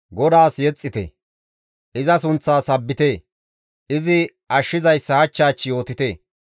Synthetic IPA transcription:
ɡɔd̪aːsjɛt͡sʼːɪt̪ɛ̰ | ʔɪzɐsʊnt͡sːaːsɐbːɪt̪eː | ɪzɪ | ʔɐʃːɪzɐjsːɐhɐt͡ʃːaːt͡ʃːɪjo̞ːt̪ɪt̪e̞ː

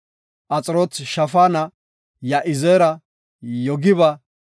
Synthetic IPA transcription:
ʔɐt͡sʼɾoːt̪ʃɐfaːnɐ | jɐʔɪzeːɾɐ | jɔɡɪβɐ

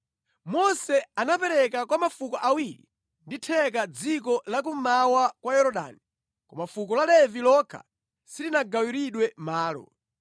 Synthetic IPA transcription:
mɔsɛanapɛɾɛkakwamafukɔʔawiɾḭ | nditʰɛkad͡zik̬ɔlak̬um̩mawakwajɔɾɔɗa̰ni | kɔmafuk̬ɔlalɛvilɔkʰa̰ | silinaɡawiɾiɗwɛmaːlɔ̰

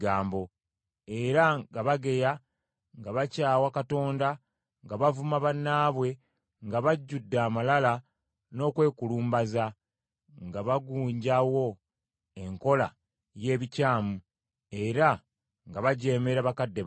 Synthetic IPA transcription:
ɡaːmbo̞ | e̞ɾaɡaβaɡe̞ja | ŋɡaβacaːwakato̞ːnda | ŋɡaβavumaβanːaːβwe̞ | ŋɡaβaɟːudːaːmalala | no̞ːkwe̞ːkuluːmbaza | ŋɡaβaɡuːɲɟawo̞ | e̞ŋko̞la | je̞ːβicaːmu | e̞ɾa | ŋɡaβaɟe̞ːme̞ɾaβakadːe̞

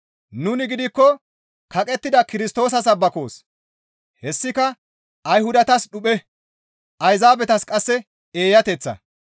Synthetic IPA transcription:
nʊnɪɡɪd̪ɪkːɔ | kɐkʼɛt̪ːɪd̪ɐkɪɾɪst̪o̞ːs̬ɐs̬ɐbːɐko̞ːs | hɛsːɪkɐ | ɐjhʊd̪ɐt̪ɐsɗʊpɛ | ʔɐjzaːbɛt̪ɐskʼɐsːɛ | eːjɐt̪ɛt͡sːɐ̰

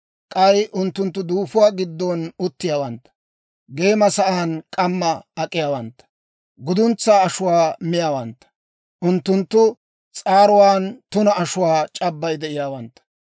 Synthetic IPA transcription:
kʼɐjʔʊnt̪ːʊnt̪ːʊd̪uːfʊwaːɡɪd̪ːɔnʊt̪ːɪjaːwɐnt̪ːɐ̥ | ɡe̞ːmɐsɐʔaːnkʼɐmːɐːkʼːɪjaːwɐnt̪ːɐ̥ | ɡʊd̪ʊnt͡sːaːɐʃʊwaːmɪjaːwɐnt̪ːɐ̥ | ʔʊnt̪ːʊnt̪ːʊ | t͡sʼaːɾʊwaːnt̪ʊnɐɐʃʊwaːt͡ʃʼɐbːɐjd̪ɛʔɪjaːwɐnt̪ːɐ̥

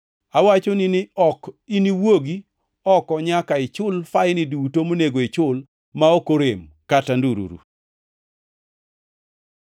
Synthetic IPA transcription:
awat͡ʃonɪnɪɔkiniwoɡi | ɔkɔɲakaɪt͡ʃʊlfajnɪdutomoneɡoɪt͡ʃʊl | maokoɾemkatanduɾṵɾṵ

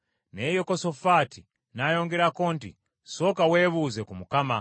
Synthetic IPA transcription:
nejokosofati | najoŋɡeɾakontḭ | sokaweβuzekumukama̰

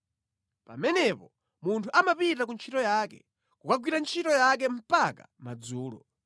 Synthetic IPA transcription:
pa̰mɛnɛpɔ | muntʰuʔamapitakunt͡ʃʰitɔjakɛ̰ | kukaɡwiɾant͡ʃʰitɔjak̬ɛm̩pakamad͡zuːlɔ̰

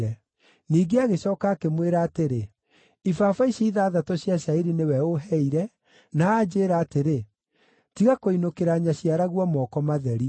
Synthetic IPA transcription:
ɛ | niːɡeaɣeɕɔːkaːkemweɾaːteɾe | ifafaiɕiiðaːðatoɕjaʃaiɾinewɛoɦɛiɾɛ | naːd͡ʒeːɾaːteɾe | tiɣakoinokeɾaːɲaɕiaɾaɣwɔmɔkɔmaðɛɾi

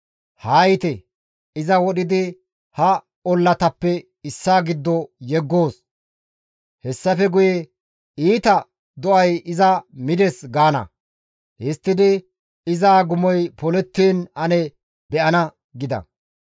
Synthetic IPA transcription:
haːjt̪ɛ | ɪzɐwɔɗɪd̪ɪ | hɐ | ɔlːɐt̪ɐpːɛ | ɪsːaːɡɪd̪ːɔjɛɡːo̞ːs | hɛsːɐfɛɡʊje | iːt̪ɐ | d̪ɔʔɐjɪzɐmɪd̪ɛsɡaːnɐ̰ | ʔɪst̪ːɪd̪ɪ | ɪzaːɡʊmɔjpɔlɛt̪ːiːnɐnɛ | bɛʔɐnɐ | ɡɪd̪ɐ̰

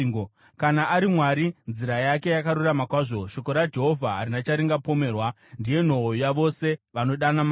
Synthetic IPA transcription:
o | kanaʔːɾimwaɾinziɾajake̞jakaɾuramakwaʐo̞ʃo̞ko̞ɾad͡ʒe̞ɦo̞vʱaɦaɾinat͡ʃaɾiŋɡapo̞me̞ːrwa | ndije̞n̤o̞ojaʋo̞se̞ʋano̞ɗanama

